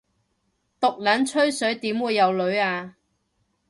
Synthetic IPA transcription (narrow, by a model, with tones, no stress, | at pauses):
t̪ʊ˨k̚lɐ˨˥nt͡ʃʰɵ˥ɥsɵ˨˥ɥt̪iː˨˥mwuː˨˧jːɐ˨˧wlɵ˨˧ɥaː˧